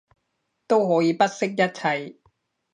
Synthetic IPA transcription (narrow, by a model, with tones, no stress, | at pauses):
t̪o˥wɦɔː˨˥jiː˨˧pɐ˥t̚sɪ˥k̚jɐ˥t̚t͡sʰɐ˧˩j